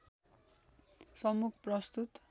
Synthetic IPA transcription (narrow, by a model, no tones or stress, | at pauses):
sʌmukʰprʌst̪ut̪